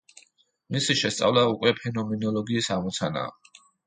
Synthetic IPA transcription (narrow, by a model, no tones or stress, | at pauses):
misiʃɛst̪sʼa̰vlaukʼwɛpʰɛnɔmɛnɔlˠɔɡiːsamɔt̪sʰana̰ː